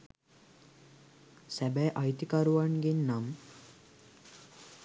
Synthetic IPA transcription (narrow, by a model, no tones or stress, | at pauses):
sæbɛjʔajt̪ikaɾuʋaɳɡinːam